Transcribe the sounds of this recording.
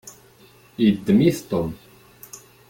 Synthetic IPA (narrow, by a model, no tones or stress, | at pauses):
id̪ːəmiθt̪om